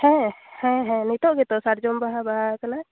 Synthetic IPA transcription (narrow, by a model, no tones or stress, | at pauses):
hɛ̃hɛ̃ɦɛ̃nɛt̪ɔʔɡet̪ɔsaɾd͡ʒombaɦabaɦakana